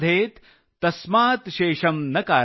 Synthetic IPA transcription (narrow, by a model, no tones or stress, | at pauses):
d̪ʱeːt̪ | t̪ːɐsmaːt̪ʃeːʃɐmnɐkaː